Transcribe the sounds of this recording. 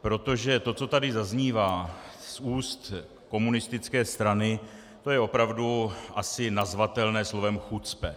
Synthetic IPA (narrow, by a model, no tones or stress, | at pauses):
pɾo̞t̪o̞ʒɛt̪o̞t͡so̞t̪adɪzazɲiːvaːsuːst̪ | ko̞munɪst̪ɪt͡skɛːst̪ɾanɪ | t̪o̞jɛo̞pɾavduʔasɪnazvat̪ɛlnɛːslo̞vɛmxut͡spɛ